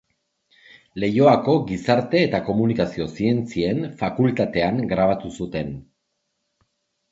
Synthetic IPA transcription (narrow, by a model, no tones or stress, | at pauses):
le̞jo̞ako̞ɡisaɾt̪e̞ːt̪ako̞munikasio̞sie̞nt͡sie̞nfakult̪at̪e̞aŋɡɾaβ̞at̪usut̪e̞n